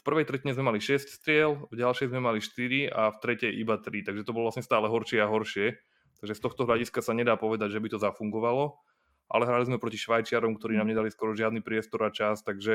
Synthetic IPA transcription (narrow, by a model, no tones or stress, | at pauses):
fpr̩ʋɛjt̪ɾɛciɲɛzmɛmaliʃɛscst̪ɾɪɛlvɟalʃɛjzmɛmaliʃt̪iɾiaft̪ɾɛcɛjʔibat̪ɾit̪aɡʒɛt̪ɔbɔlɔʋlasɲɛst̪aːlɛɦɔɾʃɪɛaɦɔɾʃɪɛ | t̪aɡʒɛst̪ɔxt̪ɔɦʎaɟiskasaɲɛd̪aːpɔʋɛd̪aɟʒɛbit̪ɔzafuŋɡɔʋalɔ | ʔa̰lɛɦɾalizmɛpɾɔciʃʋajt͡ʃɪaɾɔmkt̪ɔɾiːnaːmɲɛd̪aliskɔɾɔʒɪad̪nipɾɪɛst̪ɔɾat͡ʃast̪aɡʒɛ